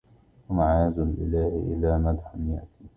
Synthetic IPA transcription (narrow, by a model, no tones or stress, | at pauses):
wamaʕaːzalʔɪ̰laːhɪ̰ʔɪ̰laːmad̪ħanja̰ʔt̪iː